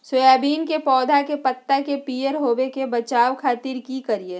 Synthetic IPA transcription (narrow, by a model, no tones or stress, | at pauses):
soaːbiːnkepɔːd̪ʱakepət̪ːakepiːəɾɦoːbekebɐt͡ʃaːʋkʰaːt̪iɾkikəɾie